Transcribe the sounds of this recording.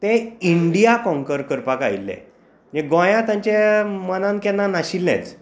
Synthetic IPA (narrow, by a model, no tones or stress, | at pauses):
t̪eiɳɖijakɔ̃ŋkəɾkəɾpakailːḛ̃ | d͡ʑeɡɔ̃jãt̪jãɲt͡ɕemənãnkɛnːanaɕilnɛ̰t͡s